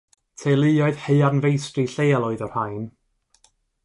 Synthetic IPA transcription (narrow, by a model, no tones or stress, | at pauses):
tʰelˠɨɔɨðhejarnvejstriɬeːalˠoːɨðɔr̥hajn